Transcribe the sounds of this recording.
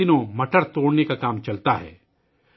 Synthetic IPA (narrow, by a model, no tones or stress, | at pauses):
ɪnõmɐʈəɽt̪oːɽnekakaːmt͡ʃɐlt̪aɦɛ̰ː